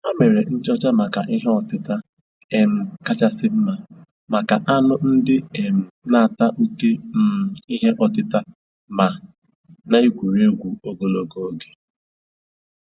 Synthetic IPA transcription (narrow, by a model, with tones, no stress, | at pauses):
a˦me˨ɾe˨n̩˦t͡ʃɔ˦t͡ʃa˦ma˨ka˨ʔi˦ɦe˦ɔ˨tɪ˦ta˦ | e˨m̩˨ka˦t͡ʃa˦sɪ˦m̩˦ma˨ | ma˨ka˨ʔa˦nʊ˦n̩˦dɪ˦e˨m̩˨na˦a˨ta˦ʔu˦te˦m̩˦i˦ɦe˦ʔɔ˨tɪ˦ta˦ | ma˨ | na˦i˦ɡʷu˨ɾe˦ɡʷu˨o˦ɡo˨lo˨ɡo˦ɡe˨